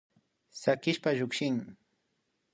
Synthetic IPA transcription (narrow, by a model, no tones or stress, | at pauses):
sakɪʃpaʎʊkʃɪŋ